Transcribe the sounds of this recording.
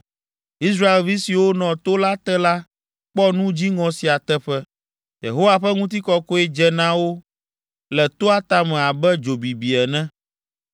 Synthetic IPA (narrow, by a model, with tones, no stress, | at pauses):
i˦s̬ɾa˦e˨lvi˦si˨wo˦nɔ̃˨t̪o˦la˦t̪ɛ˦la˦ | k͡pɔ˦nũ˦d͡ʑi˦ŋɔ̃˨si˨a˨t̪ɛ˦ɸɛ˦ | jḛ˨ɦo˦wa˨ɸɛ˦ŋũ˦t̪̬i˦kɔ˦ko˦ɛ˦d͡ʒɛ˦nã˦wo˦ | lɛ˨t̪o˦a˦t̪a˦mɛ̃˨a˨bɛ˦d͡ʒo˨bi˨bi˨ɛ˨nɛ̃˦